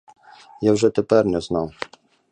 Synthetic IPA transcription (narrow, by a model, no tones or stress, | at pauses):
jawʐɛt̪ɛpɛɾnʲɛznaw